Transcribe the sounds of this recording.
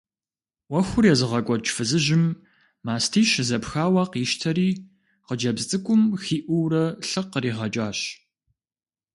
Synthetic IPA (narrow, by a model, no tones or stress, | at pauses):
wɐxʷʊrjɛzɨʁɐkʷʼɔt͡ʃʼfɨzɨʒɪm | maːstʰiːʃzɐpxaːwɑːqiʃtʰɐɾiː | qəd͡ʒɐbzt͡sʼɨkʷʼʊmxiːʔʷʊwrɐɬɨqəriːʁɐt͡ʃʼaːɕ